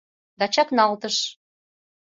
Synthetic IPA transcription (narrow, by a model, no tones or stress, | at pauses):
d̪ɑt͡ɕɑknɑlt̪əʃ